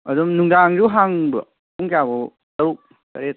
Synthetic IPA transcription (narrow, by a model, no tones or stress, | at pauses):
ɐdumnuŋdaŋd͡ʒuɦaŋbɯ | uŋkjabɔ | tɐɾuk̚ | kɐɾet̚